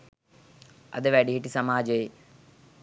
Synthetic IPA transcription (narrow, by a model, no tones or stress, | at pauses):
ɐ̰ðɨʋɐɽiɦiʈːisɐmaːd͡ʑɐi